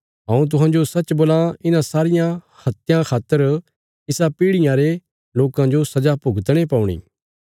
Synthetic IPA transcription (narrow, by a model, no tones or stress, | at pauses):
ɦãːũt̪̬ʊɦãd͡ʒosɐt͡ʃboːlãɪnãsaːɾɪjã | hɐt̪ɪjãkʰaːt̪ːəɾ | ɪsapiːɽɪjãɾe | loːkãd͡ʒosɐd͡ʒapʊɡt̪ɽ̃epaːũɽ̃ḭː